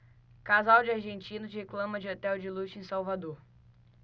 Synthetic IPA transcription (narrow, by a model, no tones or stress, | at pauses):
kazawd͡ʒɪaɾʒẽnt͡ʃĩnʊt͡ʃɪheklɐ̃mɐd͡ʒɪot̪ɛwd͡ʒɪlut͡ʃẽsawvad̪oɾ